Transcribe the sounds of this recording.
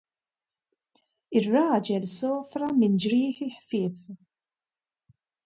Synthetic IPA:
ɪrːɐːd͡ʒɛlsɔːfɾɐmɪnd͡ʒɾɪːħiħfɪːf

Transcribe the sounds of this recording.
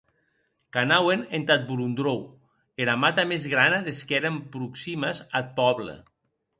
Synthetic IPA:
kanawenent̪at̪̚bulund̪ɾow | eɾamat̪amezɣɾanaðeskɛɾampɾuksimazat̪̚pɔβlḛ

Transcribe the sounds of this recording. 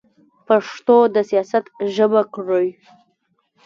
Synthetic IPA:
paʂt̪od̪əsijɑsat̪ʒəbakɽəj

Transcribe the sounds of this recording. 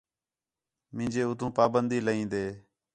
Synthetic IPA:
mɪ̃ːd͡ʒeːʊt̪ʰũːpaːbənd̪iːləɦĩːnd̪eː

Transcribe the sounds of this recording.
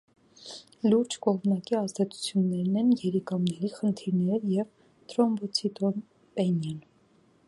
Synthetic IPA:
luɾd͡ʒkɔʁmnɑkiɑzd̪ɛt͡sʰu̥t͡sʰjunːɛɾnɛnjɛɾikɑmnɛɾiχənt̪ʰiɾnɛɾjɛv | t̪ʰɾɔmbɔt͡sʰit̪ɔn | pɛnjɛn

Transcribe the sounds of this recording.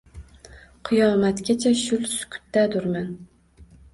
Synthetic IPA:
qʰɨjɒːmæt̪kʲat͡ʃʰɛʃʊlsʊ̥kʲʰʊ̥t̪ːæd̪ʊɾmæn

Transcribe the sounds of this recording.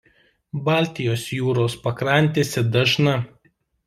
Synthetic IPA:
bɑːˑlʲt̪ʲɪjoːsjuːɾoːspɐkɾɐnʲˑt̪ʲeːsʲɛd̪ɐʒnɐ

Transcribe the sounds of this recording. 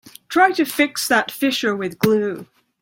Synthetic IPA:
tʰɹ̥aɪɾɨfɪksðətfɪʃə˞wɪðɡlʉ

